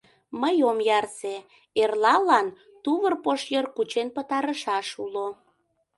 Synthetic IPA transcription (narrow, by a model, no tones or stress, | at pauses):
məjomjɑrse | erlɑlɑn | t̪uβərpoʃjərkut͡ɕenpət̪ɑɾəʃɑʃulo